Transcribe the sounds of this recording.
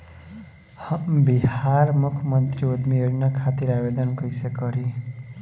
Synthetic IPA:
biɦarmukʰmʌnt̪riod̪miʌɾinʌkʰat̪iɾabed̪ʌnkʌjsekʌɾi

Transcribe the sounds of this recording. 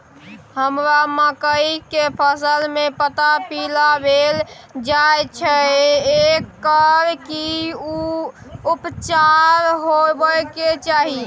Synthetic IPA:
həmɾaməkəikepʰəsəlmepət̪apilabel | d͡ʒajt͡ʃʰɛekːəɾkiu | upt͡ʃaɾɦobəket͡ʃaɦi

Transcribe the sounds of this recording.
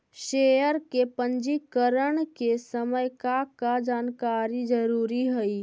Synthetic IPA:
ʃeːjəɾkepə̃ɲd͡ʒikəɾəɳ̃kesəməjkakad͡ʒaːnkaːɾid͡ʒəɾuːɾiɦəi

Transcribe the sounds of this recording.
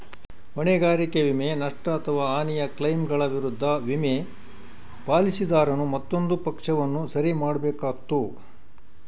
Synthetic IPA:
ʋɐɳɛɡaːɾikeʋimenɐʂʈɐːt̪ʰɐʋaːaːnijɐklɐjmɡɐɭɐʋiɾud̪ʱːɐʋime | paːlisid̪aːɾɐnumɐt̪ːo̞nd̪upɐkʂɐʋɐnːusɐɾimaːɽbɛːkaːt̪ːu

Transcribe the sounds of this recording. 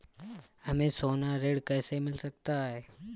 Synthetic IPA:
ɦɐmẽsoːnaɾeːɽkɛːsemɪlsɐk̚t̪aɦɛː

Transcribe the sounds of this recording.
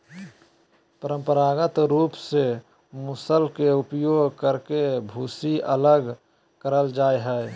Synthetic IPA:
pəɾə̃mpəɾaɡət̪ɾuːpse | mʊsəlkeupjoːɡkəɾkebʱuːsiʔələɡ | kəɾəld͡ʒaːeɦɛe

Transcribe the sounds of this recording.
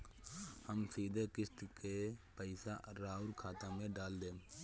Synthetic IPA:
həmsiːd̪ʱekɪst̪kepəɪsa̰ɾaːʊɾkʰaːt̪amẽɖaːld̪eː

